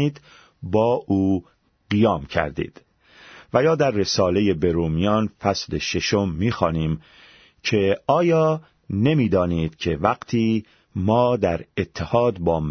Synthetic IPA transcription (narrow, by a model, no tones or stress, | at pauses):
iːd̪ | bɒːʔuː | ɢijɒːmcʰæ̰ɾd̪ḭːd̪̥ | væjɒːd̪æɾːe̞sɒːle̞je̞be̞ɾuːmijɒːnfæsleʃe̞ʃomːiːxɒːniːm | cʰe̞ɒːjɒː | ne̞miːd̪ɒːniːd̪̥cʰe̞væɡt̪ʰiː | mɒːd̪æɾet̪ʰːehɒːd̪bɒːm